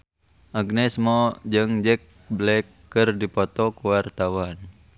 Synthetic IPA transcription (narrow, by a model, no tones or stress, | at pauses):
ʔaɡnɛsmɔd͡ʒɨŋd͡ʒɛk̚ | blɛkːərdipɔt̪ɔkuwart̪awan